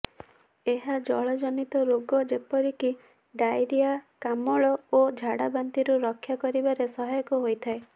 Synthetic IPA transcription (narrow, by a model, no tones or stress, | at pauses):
eɦad͡ʒɔɭɔd͡ʒɔnit̪ɔɾoɡɔd͡ʒepɔɾiki | ɖajɾijakamɔɭɔod͡ʒʱaɽabant̪iɾuɾɔkʰːjakɔɾibaɾesɔɦajɔkɔɦojt̪ʰae